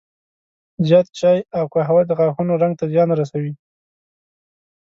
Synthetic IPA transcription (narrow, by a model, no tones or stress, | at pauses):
zjɑt̪t͡ʃɑjawkəɦawad̪əɣɑxunoɾaŋɡ̚t̪azjɑnɾas̬awi